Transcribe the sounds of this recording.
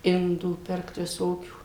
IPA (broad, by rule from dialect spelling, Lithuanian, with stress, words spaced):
ˈɪnduː ˈpʲɪrkt ʋʲɪˈsoːkʲuː